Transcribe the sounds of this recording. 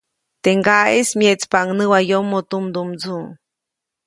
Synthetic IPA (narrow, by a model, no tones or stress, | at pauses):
t̪eŋɡaesmjet͡spaŋnɨwajomːot̪umd̪umd͡zu